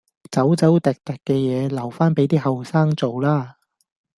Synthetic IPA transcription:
t͡sɐ˨˥wt͡sɐ˨˥wt̪ɛ˨˩k̚t̪ɐ˨˩kːɛː˧jɛː˨˧lɐ˨˩wfaː˥npe˨˥jt̪iː˥hɐ˨wsaː˥ŋt͡so˨wlaː˥

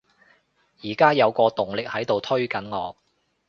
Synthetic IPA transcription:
jiː˨˩kaː˥jɐ˨˧wkɔː˧t̪ʊ˨˩ŋlɪ˨k̚hɐ˨˥jt̪o˨wt̪ʰɵ˥ɥkɐ˨˥nŋɔː˨˧k̚

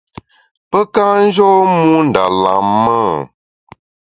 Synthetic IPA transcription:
pə˦ka˦n̩˦d͡ʒɔ˦mũ˦n̩˨da̰˨la̰˨˦mːə˦˨

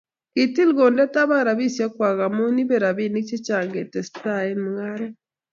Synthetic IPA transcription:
ki˨ti˦lɣo˨ndɛ˦ta˦βa˦ɾa˨βi˦sja˦kwa˨ɣa˨mu˦ni˦βɛ˨ɾa˨βi˦ni˦t͡ʃe˦t͡ʃa˨ŋɡe˨tɛ˨sta˦e˦nmuŋa˦ɾɛ˦

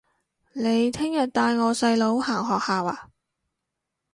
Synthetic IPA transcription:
ne˨˧jt̪ʰɪ˥ŋjɐ˨t̚t̪aː˧jŋɔː˨˧sɐ˧jlo˨˥whaː˨˩ŋɦɔː˨k̚haː˨waː˧

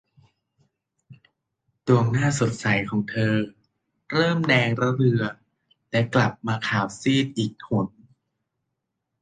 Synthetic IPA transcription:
du˧˩əŋnaː˥˩so˨˩t̪̚sa˩˦jkʰɔː˩˦ŋt̪ʰɤː˧ | ɾɤː˥˩mdɛː˧ŋɾa˦˥ɾɯ˧ɐ | lɛ˦˥kla˨˩p̚maː˧kʰaː˨˩wsiː˥˩t̪̚ʔiː˨˩k̚hʰo˨˩˦n

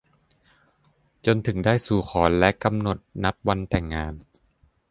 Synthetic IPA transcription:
t͡ɕo˧nt̪ʰɯ˩˦ŋdaː˥˩jsuː˨˩xʰɔː˩˦nlɛ˦˥ʔka˧mno˨˩t̪̚na˦˥p̚wa˧nt̪ɛ˨˩ŋːaː˧n

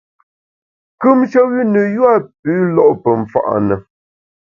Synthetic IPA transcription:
kʉ˦mt͡ʃə˦wi˦nə˨jwa˦˨p̚ʉː˨˦lɔ˦ʔpə˨ɱ̩˨fa̰˨ʔnə˨

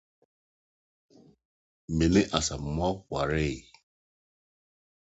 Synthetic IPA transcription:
me˨le˦ʔa˨sa˨m̩˨m˦a˦k̚ʷwa˨ɾe˦˨

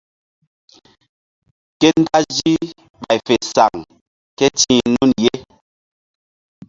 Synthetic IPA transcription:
kɛ˦n̩˦ta˦d͡ʒi˦ | ba˨jfɛ˨sa˨ŋ | kɛ˦tĩ˦nu˦nje˦

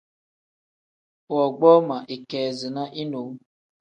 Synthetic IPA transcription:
wɔ˨ɡ͡bɔ˦ma˨ʔe˨kɛː˨zɪ˨na˦ʔi˦no˨˦ŋ˦

